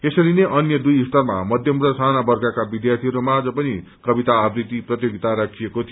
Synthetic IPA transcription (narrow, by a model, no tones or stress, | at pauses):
esʌɾineʔʌnjʌd̪ujist̪ʌrma̰mʌd̪ʱjʌmrʌsanabʌrɡakabid̪jart̪ʰiɦʌɾomad͡zʌpʌni | kʌbit̪aːbrit̪iprʌt̪joɡit̪aɾakʰijekot̪ʰi